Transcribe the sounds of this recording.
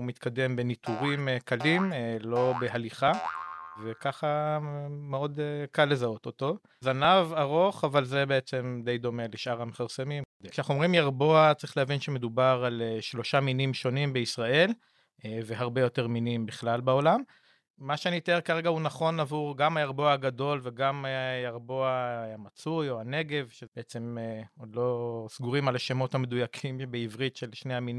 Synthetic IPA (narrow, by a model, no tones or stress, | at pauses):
umit̪kʰad̪e̞mbe̞nit̪uʁimkalimlo̞beɦaliχave̞kaχa | meo̞d̪ekalːe̞zao̞t̪o̞t̪o̞ | zanavaʁo̞χavalze̞beet͡se̞md̪e̞jd̪o̞me̞leʃʔaʁhamefaʁsemimkd̪ekʃeaχomʁimjaʁbo̞at͡saʁi̥χleavinʃeme̞d̪ubaʁalʃlo̞ʃaminimʃo̞nimbeisʁaʔe̞l | ve̞ɦaʁbe̞jo̞te̞ʁminimbiχlalbao̞lamː | aʃeanit̪ekaʁeɡaunaχo̞navuʁɡamhajaʁbo̞aaɡad̪o̞lve̞ɡamjaʁbo̞ahamat͡sujo̞ane̞ɡe̞vʃebeet͡se̞mod̪lo̞sɡuʁimalaʃemo̞thame̞dujakʰimbeivʁitʃelʃnehamin